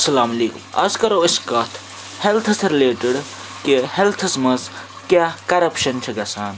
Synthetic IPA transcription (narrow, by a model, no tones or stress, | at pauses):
ɐsɐlaːmɐleːkṵmɐ̰skɐɾoiskɐt̪ʰ | helt̪ʰɐsɾileːʈeɽ | kehelt̪ʰɐsmɐs | kjakɐɾɐpʃɐnt͡ʃʰiɡɐsaːn